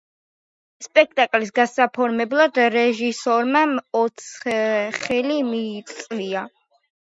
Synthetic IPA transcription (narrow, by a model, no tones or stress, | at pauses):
spʼɛk̚ʰt̪ʼakʼlis̬ɡasapʰɔɾmɛblˠad̪ɾɛʒisɔɾmaɔt̪sʰχɛlimiːt̪sʼlia